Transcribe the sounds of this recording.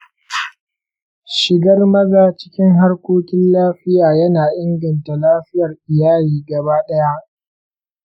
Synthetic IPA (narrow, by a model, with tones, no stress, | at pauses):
ʃɪ˨ɡɐ˦rmɐ˦ɡaː˦t͡ʃɪ̥˦kʲɪ˦ŋɦa˦rkʷoː˦kʲɪ˦nlaː˦ɸɪ˦jaː˨jɐ˦naː˨ʔɪ˦ŋɡɐ˨nta˨laː˦ɸɪ˦jɐ˨rʔɪ˨jaː˦jiː˦˨ɡɐ˨baː˦ɗɐ˦ja˦ʔ